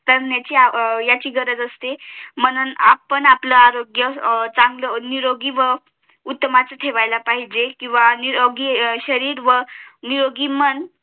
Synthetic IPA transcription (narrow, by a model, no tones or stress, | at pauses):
t̪əɾnjat͡ɕiajat͡ɕiːɡəɾəd͡zəst̪em̤ənunapənapləaɾoɡjət͡saŋɡləniɾoɡiʋə | ut̪ːəmat͡sət̪ʰeʋajlapaɦid͡ʑekĩw̃ʋaniɾoɡiɕəɾiːɾʋəniɾoɡimən